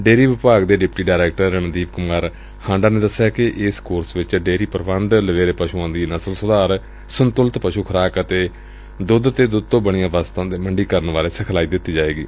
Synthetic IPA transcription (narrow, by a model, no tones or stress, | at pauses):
ɖeːɾiːʋɪpaːɡd̪eːɖɪpʈiːɖaːɾɛːk̚ʈəɾənəd̪iːʋkʊmaːɾ | hãːɳɖaːneːd̪əsjaːkɪʔɪskoːɾsʋɪt͡ʃɖeːɾiːpəɾbənd̪ləʋeːɾepəʃuãːd̪iːnəsəlsʊd̪aːɾ | sʊnt̪ʊlt̪pəʃuːkʰəɾaːkət̪eː | d̪ʊd̪ət̪eːd̪ʊd̪̚t̪õːbəɽ̃ijãːʋaːst̪ãːd̪eːməɳɖiːkəɾənʋaːleːsəkʰlaːiːd̪ɪt̪ːiːd͡ʒaːeːɡḭː